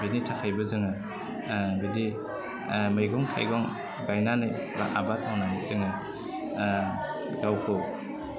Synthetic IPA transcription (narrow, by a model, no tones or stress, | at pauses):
binitʰakʰajbɯzɯŋɯ | bidi | mɯjɡɔŋtʰa̰jɡɔŋ | ɡajnanɯj | baʔa̰batʰawnamizɯŋɯ | ɡawkʰɔ